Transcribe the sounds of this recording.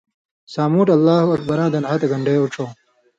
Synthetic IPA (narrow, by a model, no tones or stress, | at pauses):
saːmuːʈɐlːaːhuɐk̚bɐɾãːnd̪ɐnɦat̪ɐɡɐɳɖejoʈ͡ʂʰoː